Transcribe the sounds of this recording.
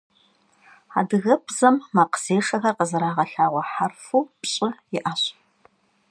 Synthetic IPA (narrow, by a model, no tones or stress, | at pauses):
a̰ːdɨɣɐpʰz̥ɐmːɐqəz̥eːʂɐxɐrqəzɨɾaːʁɐɬaːʁʷɔħarfuːpɕʼɪjɪʔaɕʼ